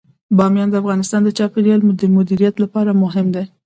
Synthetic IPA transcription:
bɑmjɑnd̪əafɣɑnɪst̪ɑnd̪ət͡ʃɑpɪɾijɑlmʊd̪əmʊd̪iɾijat̪lapɑɾamʊɦɪmd̪e

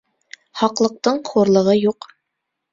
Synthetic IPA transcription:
χɑqlˠɤ̆q̚t̪ɤɴχuɾlˠɤ̆ʁɤjuq

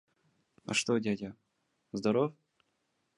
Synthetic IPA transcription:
ɐ̰ʂt̪odʲadʲa | zd̪ɐɾof

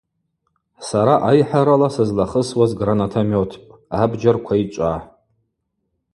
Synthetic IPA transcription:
saɾaʔajħaɾalasɨzlaχəswazɡranatʰomotʰpʼabd͡ʒarkʷʰait͡ʃʷʼa

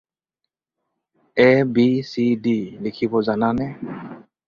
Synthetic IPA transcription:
ɛbisidilikʰibɔzananɛ

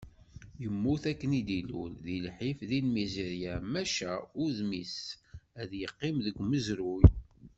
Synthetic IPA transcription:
jəmːuθækːənid̪ilṵlðilħifðinmizeɾjamæʃæʊɾðmisæðjəqːimðəɡʷməzɾuj

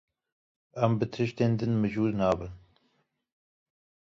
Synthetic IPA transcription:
ɛmbɨt̪ʰɨʃt̪eːnd̪ɨnmɨʒuːɾnɑːbɨn

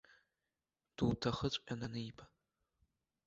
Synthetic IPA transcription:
d̥uːtʰɐχət͡ɕʷʼʔʲʼanɐnɨibʰa

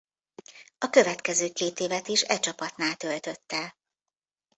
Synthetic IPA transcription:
ɒkø̞vɛt̪kɛzøːkeːt̪eːvɛt̪iʃɛt͡ʃɒpɒt̪naːlt̪ø̞lt̪ø̞t̪ːɛ

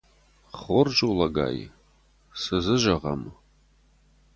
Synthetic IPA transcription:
χʷʊrʒulɐɡa̰ːjḭ | sɨzɨʒɐʁɐ̰m

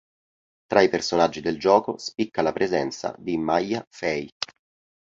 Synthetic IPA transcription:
t̪ɾaipersonad͡ʒːid̪eld͡ʒɔːko̰spikːalapɾʔezɛnt̪sa̰d̪imajːafɛj

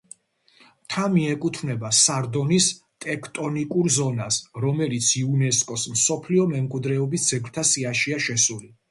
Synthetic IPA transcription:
t̪ʰamiɛkʼut̪ʰvnɛbasaɾd̪ɔnis | t̪ʼɛkʰt̪ʼɔnikʼuɾzɔnasɾɔmɛlit̪sʰiunɛskʼɔsmsɔpʰliɔmɛmkʼwid̪ɾɛɔbisd̪z̥ɛɡɾt̪ʰasiaʃiaʃɛsuli

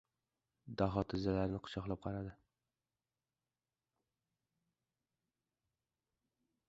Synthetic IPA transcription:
d̪aɦɒt̪ʰɪzːalaɾnɪqʰʊ̥ʃɒqlˠap̚qʰɑɾad̪ɪ

